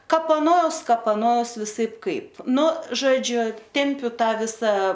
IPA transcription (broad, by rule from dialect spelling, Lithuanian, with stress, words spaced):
kɐpɐˈnoːɐʊs kɐpɐˈnoːɐʊs ʋʲɪˈsɐɪp ˈkɐɪp ˈnʊ ʒoːˈd͡ʒʲʊ ˈtʲɛmʲpʲʊ ˈtɑː ˈʋʲɪsɐ